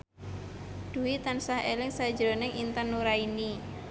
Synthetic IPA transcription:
d̪̥ṳit̪ansahelɪŋsḁd͡ʒɾonɪŋint̪ənːuɾaini

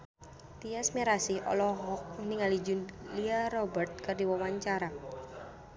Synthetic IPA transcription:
t̪iasmiɾasihʔɔ̰lɔɦɔk̚niŋalid͡ʒunliarɔbərt̪̚kardiwawaɲt͡ʃaɾa

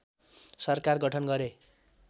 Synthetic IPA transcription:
sʌrkarɡʌʈʰʌnɡʌɾe

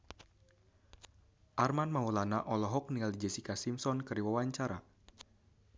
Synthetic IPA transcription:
ʔarmanmaulanaʔɔlɔɦɔk̚niŋaldid͡ʒɛsikasimsɔnkɨɾiwawaɲt͡ʃaɾa

